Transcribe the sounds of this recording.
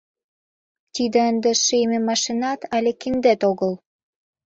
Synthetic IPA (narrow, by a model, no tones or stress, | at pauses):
t̪id̪ĕənd̪ĕʃememɑʃinɑt̪ælʲekind̪et̪oɣɤl